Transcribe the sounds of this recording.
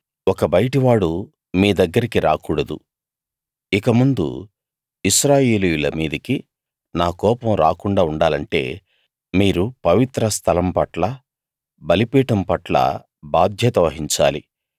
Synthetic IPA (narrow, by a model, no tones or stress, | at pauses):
wɔkɐbɐjʈiʋaːɽu | miːd̪ɐɡːɐɾikiɾa̰ːkuːɽɐd̪ṵ | ikɐmund̪ṵ | iʃɾaːje̞ːlijulɐmiːd̪ɐki | naːkɔːpɐmɾa̰ːkuɳɖaːuɳɖaːlɐɳʈe̞̰ː | miːɾupɐʋit̪ɾɐst̪ʰɐlɐmpɐʈlɐ | bɐlipiːʈɐmpɐʈlɐ̰ | baːd̪ʱjɐt̪ɐʋɐɦiɲt͡ʃa̰ːli